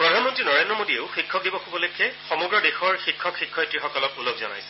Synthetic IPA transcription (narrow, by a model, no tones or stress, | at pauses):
pɹɔdʱanmɔntɹinɔɹendɹɔmodieʊxikʰːɔk̚dibɔxubɔlojkʰːɛxɔmɔɡɹɔdexɔɹxikʰːɔkxikʰːɔjtɹixɔkɔlɔk̚ulok̚zɔ̰na̰jsɛ̥